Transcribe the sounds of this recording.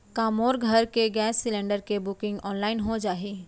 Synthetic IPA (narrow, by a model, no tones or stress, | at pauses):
kaːmoːɾɡʱɐɾkeɡɛːsːɪlẽːɳɖəɾkebʊkɪ̃ŋɡɔːnlaːɪnɦod͡ʒaːɦiː